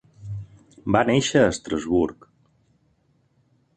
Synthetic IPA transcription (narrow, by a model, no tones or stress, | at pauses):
baneʃəːst̪ɾəzβuɾk